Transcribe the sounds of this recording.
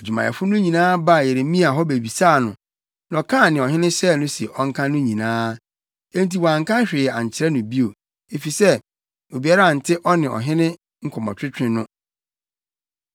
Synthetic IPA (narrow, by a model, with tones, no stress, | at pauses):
e˨d͡ʑᶣu˨mã˨ɛ̰˨fʊ˦nʊ̃˦ɲĩ˨nãː˦ba˦˨je˨ɾe˨mĩ˦a˨ɦɔ˦be˨bi˨saː˦˨nʊ̰̃˨ | nã˨ɔ˨kʰã˦˨nɪ̃˨ɔ˨ɦɪ̃˦nɪ̃˦ɕɛ˦˨nʊ̃˦si˨e˨ʔɔ˦ŋ̩˦kʰã˦nʊ̃˦ɲĩ˨nãː˦ | ẽ˦nt̬i˨wa˨ŋ̩˨kʰã˦ɕᶣɪ˨a˨ɲ˨t͡ɕʰɪ˨ɾɛ˦nʊ̃˨bi˦o˨ | e˨fi˨sɛ˦ | o˨bi˨˦a˦ɾa˦˨n̩˨tʰɪ˦ʔɔ˦nɪ̃˨ɔ̰˨ɦɪ̃˦nɪ̃˦ | ŋ̩˦kʰɔ˨mã̰˨t͡ɕʰᶣɾɪ˦t͡ɕʰᶣɪ̃˨nʊ̃˦